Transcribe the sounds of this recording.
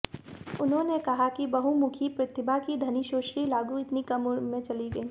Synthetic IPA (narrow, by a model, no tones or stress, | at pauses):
ʊnɦõnekɐɦakibɐɦumʊkʰipɾɐt̪ʰɪbʱakid̪ʱɐniʃoːʃɾilaːɡũɪt̪nikɐmmẽt͡ʃɐliɡɐiː